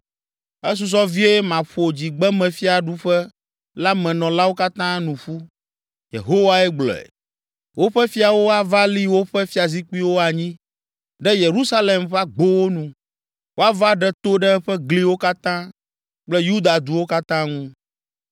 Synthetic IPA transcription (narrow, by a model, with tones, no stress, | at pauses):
ɛ˦s̬u˨s̬ɔ˦vi˦e˦mã˨ɸo˨d͡ʑi˨ɡ͡bɛ˦mɛ̃˨fi˦a˨ɖu˦ɸɛ˦ | la˦mɛ̃˨nɔ̃˨la˦wo˦ka˦t̪ã˦nũ˨ɸu˦ | jḛ˨ɦo˦wa˦ɛ˦ɡ͡blɔ̰˨ɛ̰˨ | wo˦ɸɛ˦fi˦a˨wo˦a˦va˦li˦wo˦ɸɛ˦fi˦a˨zi˦k͡pu˦i˦wo˦a˨ɲĩ˦ | ɖɛ˦je˨ɾu˦sa˦le˨mɸɛ˦a˦ɡ͡bo˦wo˦nũ˨ | wʔo˦a˦va˦ɖɛ˦t̪o˦ɖɛ˦ɸɛ˦ɡli˦wo˦ka˦t̪ã˦ | k͡plɛ˦ju˦d̪a˨d̪u˨wo˦ka˦t̪ã˦ŋũ˦